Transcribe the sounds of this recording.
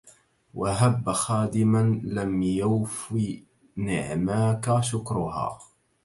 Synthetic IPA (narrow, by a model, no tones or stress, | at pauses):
wʔaɦabːaxaːd̪ɪmanlamjawfi | nɪʕmakaʃʊkɾʊha̰ː